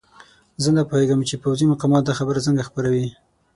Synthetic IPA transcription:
zənapoheɡəmt͡ʃepawzimʊqɑmɑt̪̚d̪axabəɾat͡səŋɡaxpəɾawi

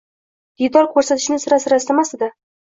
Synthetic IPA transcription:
d̪̥id̪ɒɾkʰɵɾsat̪ʰɪ̥ʃnɪsɪɾasɪɾast̪amast̪ɪd̪a

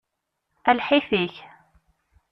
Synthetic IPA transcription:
ælħɪθiç

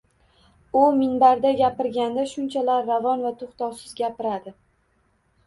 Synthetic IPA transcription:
ʊmɪnbaɾd̪aɡʲapɪɾɡʲand̪aʃʊnt͡ʃʰalaɾːavɒnvat̪ʰʊχt̪ɒwsɪzɡʲapɪɾad̪ɪ

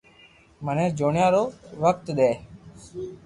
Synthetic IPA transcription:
mənẽːd͡ʒoːɳjãːɾoːʋəkt̪ɗ̪eː

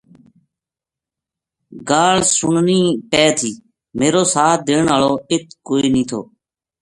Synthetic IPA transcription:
ɡaːlsʊɳniːpɛːt̪ʰiː | meːɾoːsaːd̪eːɳaːloːɪt̪̚ʰkoːiːnĩːt̪ʰo̰ː

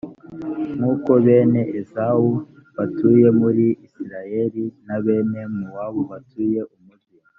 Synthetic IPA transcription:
ŋuːko̞βe̞ːne̞ʔezau | βatuje̞muɾiːsiɾaje̞ɾinaβe̞ːne̞muwaβuβatʰuːje̞ʔumudɡi

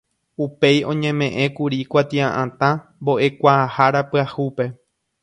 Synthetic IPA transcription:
upe̞jõ̞ɲẽ̞mẽ̞ʔẽkuɾikʷat̪iãʔãt̪ã | mbo̞ʔe̞kʷaːhaɾapɨahupe̞

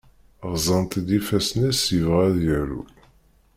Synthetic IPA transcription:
ʁzˤənt̪d̪ifæsnæsivʁæðjæɾṵ

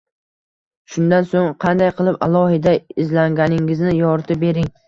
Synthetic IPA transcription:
ʃʊnd̪ansoŋqʰɑnd̪ajqʰɨlˠɪpa̰lˠɒhɪd̪aɪzlaŋɡʲanɪŋɪznɪjɒɾt̪ʰɪbe̞ɾɪŋ

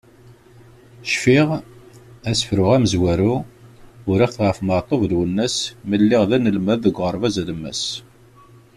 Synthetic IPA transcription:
ʃfiʁ | æsə̥fɾʊʁæməzwæɾu | ʊɾɪʁθʁəfməʕt̪ˤovðwənːæsməlːɪʁðænəlmæðəɡʷʁəɾˤvæzæləmːæ̰s

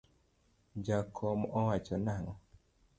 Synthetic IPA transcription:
d͡ʒakʰɔmɔwat͡ʃɔnaŋɔ

